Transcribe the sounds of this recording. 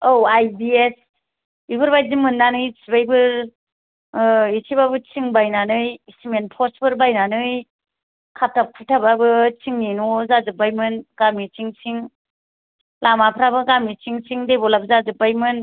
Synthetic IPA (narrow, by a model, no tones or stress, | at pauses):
owajbies | ibʰɯɾbajzimɯnːanɯjt͡ʃʰibajbɯɾ | it͡ʃʰibabɯt͡ʃʰiŋbajnanɯjsimenpʰɔsbʰɯɾbajnanɯj | kʰap̚tʰapʰɯtʰababɯt͡ʃʰiŋninɔzazɯbajmɯnɡ̥amit͡ʃiŋt͡ʃʰiŋ | lamapʰɾabɯɡamit͡ʃiŋt͡ʃiŋdebɔlabɯzazɯpːajmɯn